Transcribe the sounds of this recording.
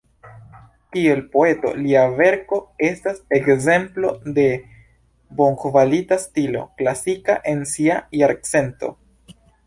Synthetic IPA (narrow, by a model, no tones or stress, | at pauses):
tie̞lpo̞e̞to̞̰liave̞ɾko̞e̞stase̞kze̞mplo̞de̞ | bo̞ŋkvalitastilo̞̰klasika̰ʔe̞nsiajaɾkse̞nto̞̰